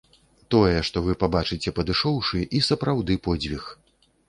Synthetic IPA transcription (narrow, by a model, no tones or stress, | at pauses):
t̪ɔjɛʂt̪ɔvɨpabat͡ʂɨt͡sʲɛpɐd̪ɨʂɔwʂɨʔisɐpɾawd̪ɨpɔd͡zʲvʲix